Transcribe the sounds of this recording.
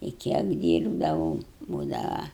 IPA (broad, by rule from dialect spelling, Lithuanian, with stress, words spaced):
ɪ ˈkʲiɛk ˈdʲiːrbdɐʋɐʊ ˈbuːdɐʋɐ